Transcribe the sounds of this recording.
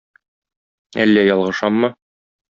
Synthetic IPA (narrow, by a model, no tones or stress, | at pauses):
ælːæjɒlˠʁɤ̆ʃɑmːɤ